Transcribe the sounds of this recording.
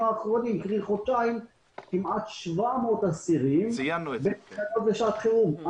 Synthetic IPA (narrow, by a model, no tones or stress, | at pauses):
aːχʁonimkʁiχot͡ʃaim | kimʔat̪ʃvamot̪asiʁimanbenanot̪veʃaat̪χeuma